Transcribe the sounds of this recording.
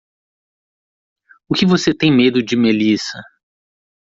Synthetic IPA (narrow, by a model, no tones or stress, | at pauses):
ʊkɪvoset̪ẽj̃med̪ʊd͡ʒɪmelisɐ